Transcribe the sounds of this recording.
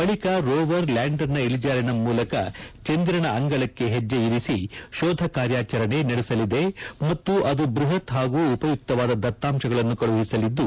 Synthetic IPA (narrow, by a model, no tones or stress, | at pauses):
bɐɭikɐɾoːʋɐɾlaːɳɖɐɾnɐiɭid͡ʒaːɾɐnɐmuːlɐkɐt͡ʃend̪ɾɐɳɐɐŋɡɐɭɐkːe̞ɦed͡ʒːeiɾisiʃɔːd̪ʱɐkaːɾjaːt͡ʃɐɾɐne̞nɐɽesɐlid̪e̞mɐt̪ːuʔɐd̪ubɾuɦɐt̪ɦaːɡuːpɐjuk̚t̪ɐʋaːd̪ɐd̪ɐt̪ːaːmʃɐɡɐɭɐnːukɐɭuʋɐɦisɐlid̪ːu